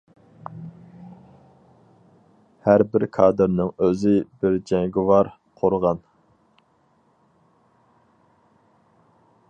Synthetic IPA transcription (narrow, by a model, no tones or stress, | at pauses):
hæɾbɪɾkʰɑːd̪ɨɾnɨŋøzɪbɪɾd͡ʒɛŋɡʲɪwɑɾ | qʰoɾʁɑn